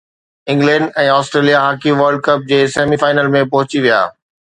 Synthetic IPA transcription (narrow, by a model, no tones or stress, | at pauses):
ɪ̃ŋɡlɛ̃ːɳɖɛ̃ːɔːsʈɾeːlijaɦaːkiʋɐɾɖ̚kɐp̚d͡ʑeːseːmifaːɪnəlmẽpɐɦʊt͡ɕiʋija̰ː